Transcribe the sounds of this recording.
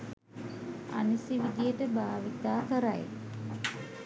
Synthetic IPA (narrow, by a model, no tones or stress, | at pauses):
a̰nisiʋid̪ijəʈəbaːʋit̪aːkəɾa̰j